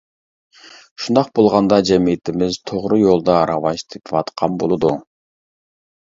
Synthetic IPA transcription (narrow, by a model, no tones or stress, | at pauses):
ʃund̪ɑq̚bolˠʁɑnd̪ɑd͡ʒɛmijɪt̪ʰɪmɪzt̪ʰoʁɾɨjolˠd̪ɑːɾɑwɑʃt̪ʰepʰwɑt̪qʰɑmbolˠɨd̪u